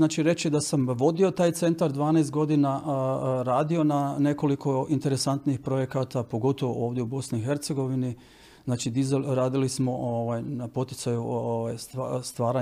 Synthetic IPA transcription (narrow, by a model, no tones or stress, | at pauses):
naːt͡ʃiɾe̞t͡ʃid̪asamʋo̞d̪io̞t̪aːjt̪se̞nt̪aɾd̪ʋaːnejst̪̚ɡo̞d̪inaɾaːd̪io̞nane̞ko̞likʰo̞int̪e̞ɾesant̪nixpɾo̞jekat̪apo̞ɡo̞t̪o̞ʋoʔoːʋd̪ʲjeubo̞sniixe̞ɾt̪seɡo̞ʋini | znaːt͡ʃid̪izɾaːd̪ilismo̞ʔoʋajnapo̞t̪i̥t̪sajuoʋajsast̪ʋaːɾa